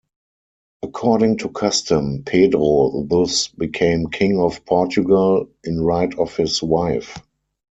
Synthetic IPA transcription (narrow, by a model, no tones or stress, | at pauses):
ʔəkʰɔɾɪ̃ŋtʰukʰastə̃mpʰedʁoðʊsbikʰẽɪ̃mkʰɪ̃ŋɔfpʰɔt͡ʃuɡəlʔɪ̃nɹaɪtʰɔfhɪswaɪf